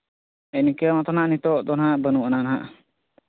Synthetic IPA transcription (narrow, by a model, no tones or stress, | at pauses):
ɛnikəmat̪ɔnaʔnit̪ɔʔd̪ɔnɦaʔbənuʔananaɦaʔ